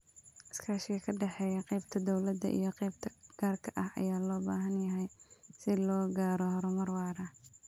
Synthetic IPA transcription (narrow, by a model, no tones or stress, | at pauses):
ʔɐskʰaːʃɪɣɐkʰɐɖɛħɛːjɐqɛjbt̪ʰɐd̪ɔwlɐd̪ɐ̰ʔḭjɞqɛjbt̪ʰɐɡ̥aːrkʰɐʔɐhʔɐ̰jaːlɔːba̰ːɦɐnjɐɦɛjsɪlɔːɡaːɾɔhɔɾɔmɐrwɑːɾɐ